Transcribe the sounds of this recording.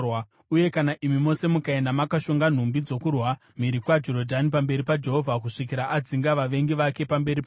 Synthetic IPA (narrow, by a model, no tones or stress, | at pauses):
w | uje̞kanaʔimimo̞se̞mukae̞ndamakaʃoŋɡan̤umbid͡zo̞kurwa | m̤iɾikwad͡ʒoɾo̞dʱanipambe̞ɾipad͡ʒe̞ɦo̞vʱakuʂik̬iɾaʔad͡ziŋɡaʋaʋe̞ŋɡiʋake̞pambe̞ɾip